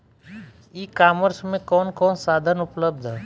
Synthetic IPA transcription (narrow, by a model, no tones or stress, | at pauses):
ikaːməɾsmẽkɔːnkɔːnsaːd̪ʱənʊpləb̚d̪ʱ